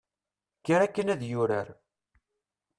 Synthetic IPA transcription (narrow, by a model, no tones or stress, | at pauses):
kːəɾækːənæðjʊɾəɾ